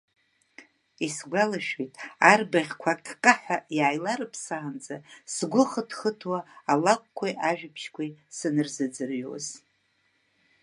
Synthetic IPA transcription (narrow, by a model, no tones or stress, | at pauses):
isɡʷalaʃᶣojtʼarbaʁʲkʷʰakʰʼkʼaħʷᶣajaːjlaɾɨpʰsaand͡zasɡʷʊχətʰχətʰwaːlakʷʼkʷʰaʔaʒᶣɪpʰʃkʷʰisɨnɨrzɨd͡zɨrɥo̰z